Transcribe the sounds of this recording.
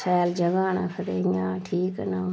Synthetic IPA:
sɛːld͡ʒəɡaːnaːkʰəɾeːɲaːʈʰiːknaː

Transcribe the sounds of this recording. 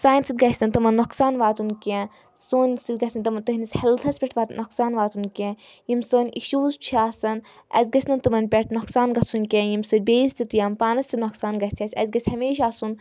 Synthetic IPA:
saːnʲsit̪ɡɐsɐnʲt̪ɐmɐnːɔksaːnʋaːt̪unkʲẽ | soːnʲsit̪̚ʲɡɐsʲɐnʲt̪ɐmɐnt̪ɐɦinisʲhɛlt̪ʰɐsʲpʲɛʈʰʋaːt̪nɔksaːnʋaːt̪unkʲẽ | jimsəːnʲiʃuːzt͡ʃʰiaːsɐn | ɐ̰zʲɡɐsʰʲnɐnt̪ɐmɐnʲpʲɛʈʰnɔksaːnɡɐt̪sʰunʲkʲẽjimsɨd̪̚ʲbeːzt̪it̪jampaːnɐsʲt̪inɔksaːnɡɐsʲt͡sʰʲɐsʲɐ̰zʲɡɐsʲhɐmeːʃaːsun

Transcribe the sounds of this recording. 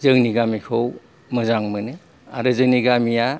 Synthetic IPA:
zɯŋniɡamikʰow | mɯzaŋmɯnɯ | a̰ɾɯzɯŋniɡamija

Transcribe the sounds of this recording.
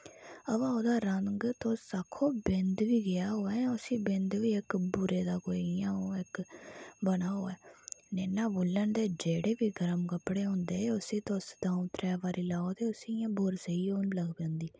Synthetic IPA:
əʋaːoːd̪aːɾəŋɡt̪oːsaːkʰoːbɪnd̪ʋiːɡɪaːɦoːɛːʊsĩːbɪ̃nd̪ʋiːɪkbuːɾeːd̪aːkoːijãːoːɪkbənaːɦoːɛːnɛːnaːbuːlːənd̪eːd͡ʒeːɽeːʋiːɡəɾəmkəpːɽeːɦʊ̃ːnd̪eːʊsĩːt̪osd̪aːũːt̪ɾɛːʋaːɾiːlaːoːt̪eːʊsiːjãːboːɾsəiːoːnləɡpɛ̃ːnd̪iː

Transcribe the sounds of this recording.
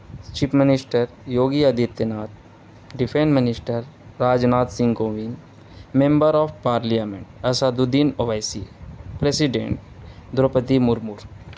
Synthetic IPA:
t͡ʃipʰmɪnisʈəɾ | joːɡiɐd̪ʱit̪jənaːt̪̚ | ɖipʰẽnsmɪnisʈəɾːaːd͡ʒnaːt̪sĩŋɡoʋin | mẽmbəɾɔːʋpaːɾliamḛ̃ɳʈɐsad̪ud̪inoʋajsipɾesiɖḛ̃ɳʈ̚d̪ɾopət̪imuɾmuɾ

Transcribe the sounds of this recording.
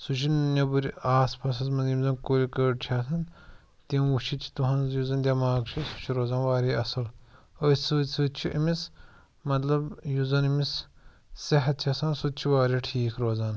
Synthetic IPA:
sut͡ʃʰinnɐbuɾaːspɐs̬ɐzmɐzimzɐnkolʲikəːɖt͡ʃʰaːs̬ɐn | t̪imut͡ʃʰit͡ʃʰi̥t̪uɦɐnzjuzɐnd̪ʲɐmaːɡt͡ʃʰisu̥t͡ʃʰiɾoːzaːnʋaːɾiɐsɐl | osɨsɨt͡ʃʰiʔimis | mɐt̪lɐbjuzɐnimis | sɐɦɐt̪̚t͡ʃʰɐsɐnsut̪̚t͡ʃʰiʋaːɾʲiʈʰiːkʰɾoːzaːn

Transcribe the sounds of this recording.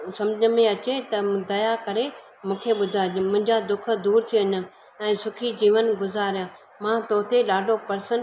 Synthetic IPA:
sɐ̃md͡ʑʱmẽɐt͡ɕet̪ɐd̪ɐjakɐɾe | mũːkʰeɓʊd̪ʱaːmʊ̃ɦɪ̃ɲd͡ʑad̪ʊk̆ʰd̪uːɾt̪ʰiɐɲə̆ | ɛ̃ːsʊkʰid͡ʑiːʋənɡʊzaːɾijãː | mãːt̪oːt̪eɗaːɖʱopɐɾsən

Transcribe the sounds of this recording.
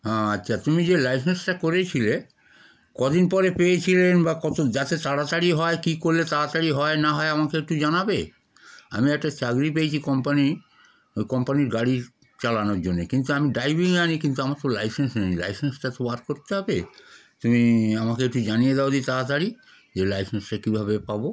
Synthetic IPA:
ɦɛ̃ːatːɕʰat̪umid͡ʑelajs̬ensʈakoɾet͡ɕʰile | kɔd̪inpɔɾepejet͡ɕʰilenbakɔt̪od͡ʑat̪et̪aɽat̪aɽiɦɔekikoɾːet̪aɾat̪aɽiɦɔenaɦɔeamakeek̚ʈud͡ʑanabe | a̰miɛk̚ʈat͡ɕaɡɾipejet͡ɕʰikɔmpani | ojkɔmpaniɾɡaɽi | t͡ɕalanoɾd͡ʑonːekint̪uamiɖajbiŋnanikint̪uamat̪olajsensnejla̰jsensʈat̪obaɾkoɾt̪eɦɔbet̪umiamakeek̚ʈud͡ʑanijed̪eod̪it̪aɾat̪aɽi | d͡ʑelajsensʈakibʱabepabo

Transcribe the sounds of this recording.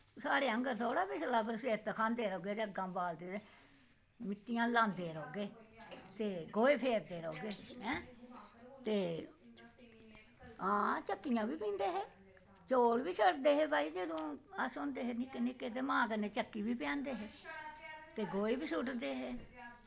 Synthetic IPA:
saːɽeːəŋɡəɾt̪ʰoːɽaːbisəlaːpʰəɾseːɾt̪aːkʰãːnd̪eːɾoːɡeːd͡ʒəɡãːbaːld̪eːt̪e | mɪt̪ːijãːlãːnd̪eːɾoːɡeːt̪eːɡoːeːpʰeːɾd̪eːɾoːɡeːɦɛ̃ː | t̪eː | ãːt͡ʃəkːijãːbiːpɪ̃ːnd̪eːɦeː | t͡ʃoːlʋiːsəʈd̪eːɦeːbaːiːd͡ʒəd̪õːasʊnd̪eːɦeːnɪkenɪkːeːt̪̬eːmãːkəneːt͡ʃəkːiːʋiːpɛ̃ːnd̪eːɦeː | t̪eːɡoːeːbiːsʊʈd̪eːɦeː

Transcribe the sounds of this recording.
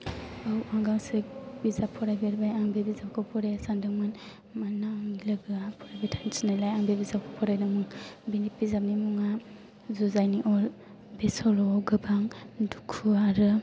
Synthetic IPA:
awaŋɡaŋsek̚bizapʰːɔɾajbeɾbajaŋbebizapkʰɯpʰɔɾejasandɯŋmɯn | manːaŋlɯɡɯapʰɔɾajbitʰajnsinalajaŋbebizakʰɔpʰɔɾajdɯŋmɯŋbinit̚bizap̚nimuŋa | zuzajniʔɔl | besɔlɔɡɯbaŋdukʰuaɾɯ

